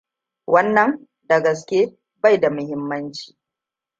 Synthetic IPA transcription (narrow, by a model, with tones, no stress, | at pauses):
wʔɐ˦nːɐ˨ŋ | dɐ˨ɡɐ˨s̬kʲe˦ | ba˦jda˨mʊ˦hɪ˦mːɐ˦nt͡ʃi̥ː˨